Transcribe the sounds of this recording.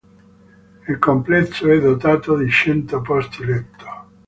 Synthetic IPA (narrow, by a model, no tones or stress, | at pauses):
ilkomplɛsːoɛd̪ːot̪aːt̪od̪it͡ʃɛnt̪opɔst̪ilɛt̪ʰːo̥